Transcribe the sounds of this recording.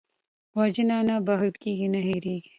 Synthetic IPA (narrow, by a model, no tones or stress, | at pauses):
wad͡ʒinaːnabɐɦt̪kiːɡinɐɦiɾiːɡi